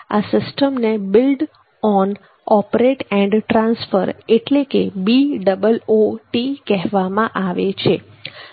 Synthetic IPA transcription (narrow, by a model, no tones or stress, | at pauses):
a̰sɪsʈəmnebɪlɖ | ɔn | ɔpɾeʈɛ̃ɳɖʈɾãnsfəɾeʈlekebiɖəbəloʈikɛɦʋamãʔaʋet͡ʃʰe